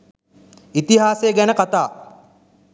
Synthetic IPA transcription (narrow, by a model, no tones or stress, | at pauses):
it̪iɦaːseːɡænəkat̪aː